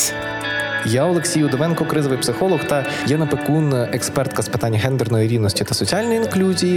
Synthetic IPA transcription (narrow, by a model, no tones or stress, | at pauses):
jaɔlˠeksʲijʊd̪ɔʋɛnkɔkɾɪzɔʋɪjpsɪxɔlˠɔxt̪ɐ | jɛnɐpekunekspɛrt̪kɐspɪ̥t̪anʲːɐɦɛnd̪ernɔjiɾʲiwnɔsʲtʲit̪ɐsɔt͡sʲialʲnɔjiinklʲuzʲiji